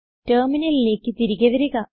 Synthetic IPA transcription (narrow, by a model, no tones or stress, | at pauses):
terminɐlile̞ːkːɨt̪iɾiɣʲɐʋɐɾuɣɐ